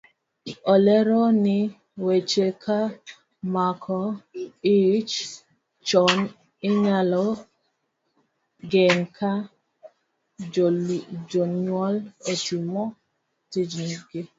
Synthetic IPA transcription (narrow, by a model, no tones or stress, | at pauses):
ɔlɛɾɔnɪ | wet͡ʃekʰa | makʰɔit͡ʃ | t͡ʃɔn | ɪɲalɔ | ɡɛŋkʰa | d͡ʒoɲwɔletumɔ | tid͡ʒniɡɪ